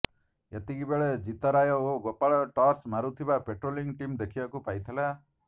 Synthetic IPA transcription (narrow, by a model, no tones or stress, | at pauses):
et̪iɡibeɭed͡ʒit̪ɔɾajɔoɡɔpːaɭɔʈɔɾsmaɾut̪ʰibapeʈɾoːliŋɡʈimd̪ekʰibakupajt̪ʰɛla